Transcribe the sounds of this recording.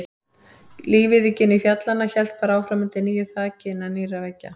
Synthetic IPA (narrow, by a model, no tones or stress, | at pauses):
liːvɪðɪcːɪnːifjat̪lanːaçɛlt̪̚paːɾaaːwfɾaːmɪnt̪ɪniːjʏθʰaːcɪnaniːɾavɛcːa̰